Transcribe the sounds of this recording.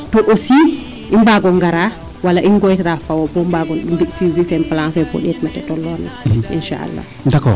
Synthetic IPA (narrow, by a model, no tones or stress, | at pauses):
tɔʔosi | ʔimbaɡɔŋɡaɾa | walaʔinɡɔjtɾafawɔbɔmbaɡɔnɗumbiʔsizifɛmpalanfɛbɔ̰ɗɛtmatɛtɔlːɔna̰ʔḭnʃa̰ʔa̰lːa̰ | ndakɔ